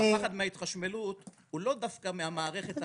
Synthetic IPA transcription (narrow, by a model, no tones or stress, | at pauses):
aχad̪meait̪χaʃme̞lut̪ | hulo̞d̪afkamehamaːʁe̞χe̞t̪